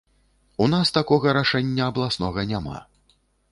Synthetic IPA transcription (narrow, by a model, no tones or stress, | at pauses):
un̪ast̪akɔɣɐɾaʂɛnʲːɐːblˠasnɔɣɐnʲama̰